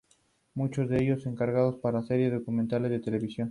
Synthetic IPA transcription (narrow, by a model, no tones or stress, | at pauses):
mut͡ʃozðeeʝose̞ŋkaɾɣað̞o̞spaɾaseɾjeokumẽnt̪alezðet̪e̞le̞βisjo̞n